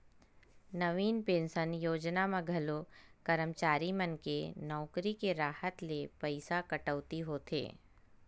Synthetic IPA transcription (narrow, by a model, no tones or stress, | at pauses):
nɐʋiːnpẽːnʃənjoːd͡ʒnamãɡʱɐlokəɾəmt͡ʃaːɾimənkenɔːkɾikeɾaːhət̪lepɐɪsakɐʈəʋt̪iɦoːt̪ʰḛː